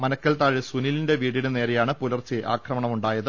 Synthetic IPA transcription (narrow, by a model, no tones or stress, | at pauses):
mɐnɐkːɐlt̪aːɻisunilinde̞ʋiːɽiɽene̞ːɾejaːɳɨpulɐrt͡ɕːɨʔa̰ːkʰrɐmɐɳɐmuɳɖaːjɐðɨ